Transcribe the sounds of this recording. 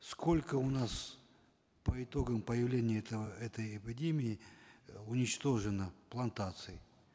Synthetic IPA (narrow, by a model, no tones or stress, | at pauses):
sko̞lʲkəʊnas | pəɪt̪o̞ɡəmpəjɪvlʲenʲɪjəɛt̪əjɐpʲɪdʲemʲɪɪ | ʊnʲɪt͡ɕt̪o̞ʐɨnəplˠɐnt̪at̪sɨɪ